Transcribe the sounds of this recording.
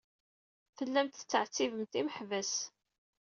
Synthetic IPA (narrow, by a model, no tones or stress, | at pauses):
fəlːæmt̪θət͡sːəʕt͡sːivəmt̪iməħvæs